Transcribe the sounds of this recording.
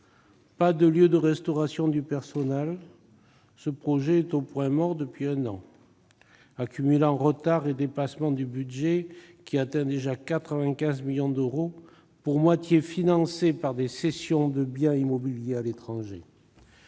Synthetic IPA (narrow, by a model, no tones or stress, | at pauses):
pad̪əljød̪əʁɛst̪ɔʁasjɔ̃d̪ypɛʁsɔnɛl | səpχɔʒeɛt̪opwɛ̃mɔʁd̪əpɥiɛ̃nɑ̰̃ | akʲymylɑ̃ʁət̪aʁed̪epasmɑ̃d̪ybyd̪ʒekʲiat̪ɛ̃d̪eʒakat̪χəvɛ̃kʲɛ̃zmiljɔ̃d̪əʁo | puʁmwat̪jefinɑ̃sepaʁd̪esɛsjɔ̃d̪əbjɛ̃imɔbiljealet̪χɑ̃ʒe